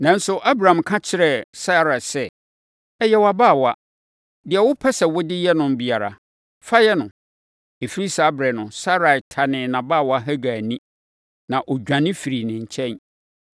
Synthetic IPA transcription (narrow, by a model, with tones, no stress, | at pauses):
nã˨n̩˦sʊ˦ʔa˦bɾã˨mkʰã˦t͡ɕʰɪ˦ɾɛ˨sa˦˨ɾa˨sɛ˦ | ɛ˦jɛ˦wa˨baː˦˨wa˦ | dɪ˨ɛ˨wʊ˦pʰɛ˦sɛ˨wɔ˦dɪ˦jɛ˦nʊ̃˨m˦bi˨a˨ɾa̰˨ | fa˦jɛ˦nʊ̃˨ | e˨fi˦ɾi˦sa˨a˦bɾɛ˨nʊ̃˨sa˦ɾa˨tʰa˨nɪ̃˨nã˨baː˦˨wɔ˨˦a˦˨ɦæ˦ɡa˨nĩ˦ | nã˨ʔɔ˨d͡ʑᶣã˨nɪ̃˦fi˨ɾi˨nɪ̃˨ɲ̩˨t͡ɕʰɛ̃˦n